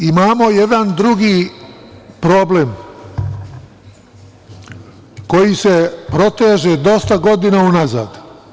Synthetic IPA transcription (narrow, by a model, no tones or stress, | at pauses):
imaːmo̞jed̪and̪ɾuɡiː | pɾo̞blem | ko̞jise̞pɾo̞t̪eːʒed̪o̞st̪aɡo̞d̪inaunaza̰ːd̪